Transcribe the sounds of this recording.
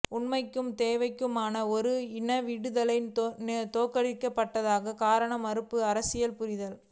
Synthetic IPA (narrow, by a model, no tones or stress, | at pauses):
ʊɳmɐɪkːɯmt̪eːʋɐɪkːɯmaːnɐɔɾɯɪnɐʋiːɽɯðɐlɐɪnnt̪oːkːɐɽɪkːɐpːɐʈːɐðaːɣɐkaːɾɐɳɐmɐɾɯpːɯɐɾɐsɪjɐlpʊɾɪðɐl